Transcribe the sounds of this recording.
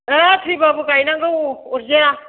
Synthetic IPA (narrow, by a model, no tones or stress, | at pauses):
akʰɾibabukajnaŋɡɯwɔɾza